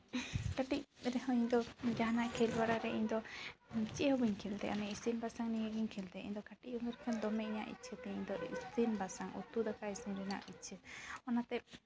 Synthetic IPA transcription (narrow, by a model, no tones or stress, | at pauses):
kaʈic̚ɾɛhɔiɲd̪ɔd͡ʒaɦanaʔkʰɛlbaɽaɾɛʔiɲd̪ɔ | t͡ʃiʔhɔbiɲkʰɛlt̪ɛ̰ʔa̰mɛisinbasaŋnijəɡiɲkʰɛlt̪ɛḭɲd̪ɔkaʈiʔ̚ɔŋəɾɛkʰɛnd̪ɔmɛiɲaʔḭt̪̚t͡ʃʰət̪ɛiɲd̪ɔisinbasaŋṵt̪ud̪akaisinɾɛna̰ʔit̪̚t͡ʃʰəɔnat̪ɛp̚